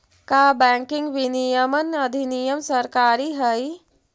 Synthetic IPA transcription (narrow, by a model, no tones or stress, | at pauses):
kabɛ̃ːŋkɪ̃ŋɡʋɪnijəmənɐd̪ʱinijəmsɐɾkaːɾiɦɐi